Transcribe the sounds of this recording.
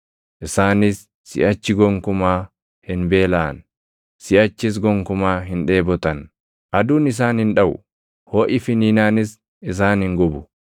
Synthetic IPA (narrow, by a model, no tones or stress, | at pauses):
ʔɪsaːnɪsː | ɪ̰ʔɐt͡ʃːɪɡɔŋkʊmaː | hɪnbe̞ːlaːn | sɪʔɐt͡ʃːɪs̬ɡɔŋkʊmaːɦɪnᶑe̞ːbɔt̪ɐn | ʔɐd̪uːnɪs̬aːnhɪnᶑɐwʊ̰ | hoːʔɪfɪniːnaːnɪs | ɪs̬aːnhɪŋɡɔbʊ̥